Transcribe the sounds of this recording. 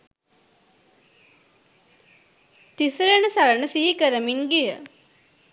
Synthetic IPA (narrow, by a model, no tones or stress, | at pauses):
t̪isɾenəsaɾənəsiɦikəɾəmiŋɡijə